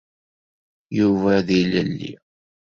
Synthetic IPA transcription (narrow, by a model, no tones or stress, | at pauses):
juvæðiləlːḭ